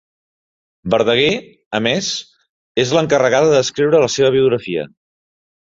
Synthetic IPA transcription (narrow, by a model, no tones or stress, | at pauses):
bəɾðəɣ̞e | əmez | ezləŋkərəɣaðəðəskɾiwɾələseβəβ̞iuɣɾəfiə̰